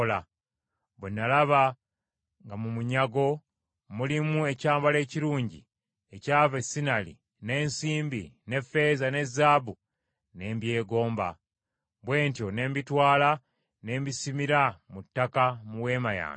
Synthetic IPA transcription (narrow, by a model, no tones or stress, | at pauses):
la | βwenːalaβa | ŋɡamumuɲaɡo̞ | mulimue̞caːmbale̞ːciɾuːɲɟḭ | e̞caːvesinalḭ | ne̞ːnsiːmbine̞fe̞ːzane̞zːaːbu | ne̞ːmbje̞ːɡo̞ːmba̰ | βwe̞ːntjo̞ne̞ːmbitwaːla | ne̞ːmbisimiɾamutːakamuwe̞ːmaja̰ːn